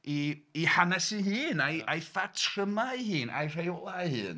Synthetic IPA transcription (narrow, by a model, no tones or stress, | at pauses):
iːhanɛsiɦɨːnajʔajfatʰrəmahɨːna̰jr̥ajɔlˠahɨ̰ːn